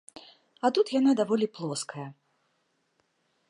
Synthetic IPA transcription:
ɐt̪ut̪janad̪avɔlʲiplˠɔskɐjɐ

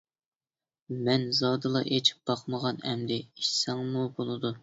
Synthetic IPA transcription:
mɛnzɑːd̪ɨlˠɑʔet͡ʃʰi̥p̚b̥ɑqməʁɑnɛmd̪ɪiʃsæŋmubolˠɨd̪u

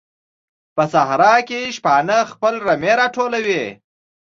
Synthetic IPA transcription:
pəsahɾɑkeʃpɑnəxpəlɾameɾɑʈʰolawe

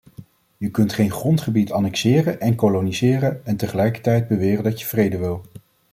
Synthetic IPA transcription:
jəkɵntχejnχrɔntχəbitʰɑnɛksɪːrənɛnkolonizɪːrənɛntəχəlɛjkə̥ɹtɛjd̚bəʋɪːrəndɑtjəv̥rejdəʋɪlˠ

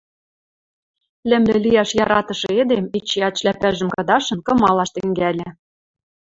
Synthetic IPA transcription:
lʲɘ̆mlʲɘ̆lʲijɑʃjɑɾɑt̪ɤ̆ʃɤ̆ed̪emit͡ɕːeɑt̪ʃlæpæʒə̆mkɤ̆d̪ɑʃɤ̆nkɤ̆mɑlɑʃt̪ɘ̆ŋɡælʲɘ̆

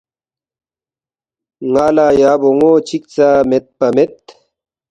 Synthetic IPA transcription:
ŋaːlaːjaːboŋoːt͡ɕʰik̚t͡saːmet̪̚pɐmet̪

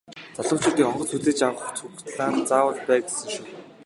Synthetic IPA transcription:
t͡saɮə̆m̥t͡ɕʊ̆t̪iːŋɔɴɢɞ̆t͡sxuɮeːt͡ɕawʊt͡sxukt̪ɮaːnt͡saːwə̆ɮpæːɡesɘ̆ŋʃuː

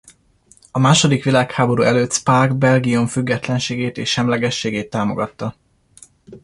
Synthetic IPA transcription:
ɒmaːʃo̞d̪ikʋilaːkhaːbo̞ɾṵʔɛløːt̪spaːɡbɛlɡioɱfyɡːɛt̪lɛnʃeːɡeːt̪eːʃʃɛmlɛɡɛʃːeːɡeːt̪ːaːmo̞̰ɡɒt̪ːɒ

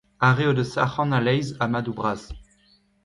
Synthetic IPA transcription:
aʁeod̪əsa̰χɑ̃nalɛjzamad̪ubʁaz̥

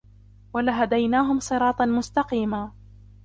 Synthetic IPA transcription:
walaɦad̪ajnaːɦʊmsˤɨɾˤɑːt̪ˤɑmʊst̪ɑqiːmaː

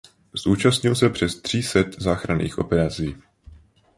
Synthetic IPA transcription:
zʔuːt͡ʃast̪ɲɪlsɛpr̥ɛst̪r̝̥iːsɛt̪zaːxɾanḭːxʔo̞̰pɛɾat͡siː

